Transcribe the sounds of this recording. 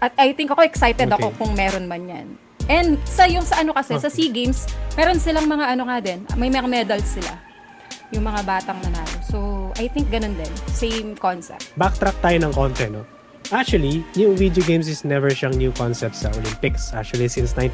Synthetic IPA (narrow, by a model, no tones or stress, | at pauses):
ʔɐt̪̚ʔɐjt̪ɪŋkɐko̞ʔɛksajt̪ɛɐkko̞kʊŋmɛːɾo̞nmɐnɲɐ̰n | ʔɛnd̪sɐjʊŋsɐʔɐno̞kɐsɛsɐsiɡejmsmɛːɾo̞nsɪlaŋmɐŋaʔɐnoŋad̪ɛnmɐjmɐŋamɛd̪ɐlsɪla̰ | jʊŋmɐŋabaːt̪ɐŋnɐnaːɾosoʔɐjt̪ɪŋk̚ɡɐno̞nd̪ɛnsejmkonsɛ̰p̚t̪bak̚t̪ɾak̚t̪aːjonɐŋkont̪ɾɛno̞ | ʔak̚t͡ʃuwɐlijʊŋvid̪joɡejms̬ɪsnɛvɛɹʃɐŋnjukonsɛp̚t̪sɐʔolɪmpɪksʔa̰k̚t͡ʃuɐlisɪnsnajn